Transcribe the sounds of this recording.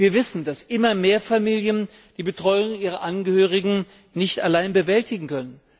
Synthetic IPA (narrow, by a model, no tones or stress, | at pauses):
viːɐvɪsn̩dasʔɪmɐmeːɐfamiːljən | d̥iːbətʁ̥ɔʏʊŋʔiːʁ̞ɐʔanɡəhøːʁ̞ɪɡŋ̩ | nɪçtalaɪnbəvɛltɪɡŋ̩kœnən